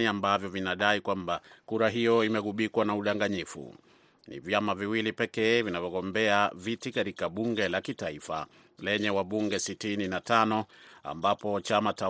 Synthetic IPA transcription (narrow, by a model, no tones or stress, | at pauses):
iambavjɔvinaɗaikwambakuɾaɦijɔimɛɠuɓikwanauɗaŋɡaɲifṵ | nḭvjamaviwilipɛkɛːvinavjɔɠɔmbɛavitikatikaɓuŋɡɛlakitaifa̰ | lɛɲɛwaɓuŋɡɛsitininatanɔa̰mbapɔt͡ʃamata